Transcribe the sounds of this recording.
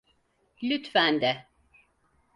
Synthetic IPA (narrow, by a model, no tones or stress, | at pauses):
lyt̪fænd̪ɛ